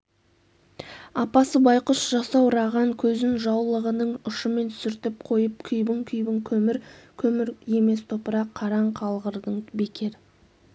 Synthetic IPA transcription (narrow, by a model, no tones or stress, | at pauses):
ɑpɑsəbɑjqəʃʒ̥ɑsɑwɾɑʁɑŋkʲʰɵzɪnʒɑwlˠəʁənəɴʊʃəme̞nt̪ʰsɪɾt̪ɪp̚qʰo̞jəp̚kʲʰʏjbɪŋkʲʰʏjbɪŋkʲʰɵmɪɾkʲʰɵmɪɾje̞me̞st̪ʰo̞pəɾɑqʰːɑɾɑɴqʰɑlˠʁəɾd̪əɴbe̞kʲe̞ɾ